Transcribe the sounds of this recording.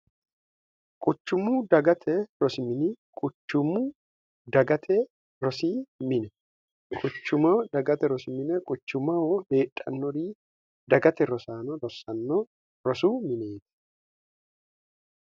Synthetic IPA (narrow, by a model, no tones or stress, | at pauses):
kʼʊt͡ʃːʊmʊd̪ɐɡɐt̪ʰɛɾɔsɪmɪnɪkʼʊt͡ʃːʊmʊ | d̪ɐɡɐt̪ʰɛ | ɾɔsiːmɪnɛ | kʼʊt͡ʃːʊmɐwd̪ɐɡɐt̪ɛɾɔsɪmɪnɛkʼʊt͡ʃːʊmɐwɔhe̞ːtʼːɐ̰nːɔɾiː | d̪ɐɡɐt̪ɛɾɔsaːnɔɾɔsɐnːɔ | ɾɔsuːmɪneːt̪ɪ̥